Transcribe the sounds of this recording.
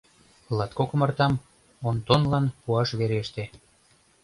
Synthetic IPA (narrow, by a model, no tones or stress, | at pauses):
lˠɑt̪kokə̆mɑrt̪ɑm | ont̪onlɑnpuɑʃβeɾeʃt̪e